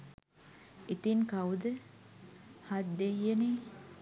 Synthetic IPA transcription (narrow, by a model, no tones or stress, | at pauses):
it̪iŋkɐwd̪ə | had̪d̪ejːeni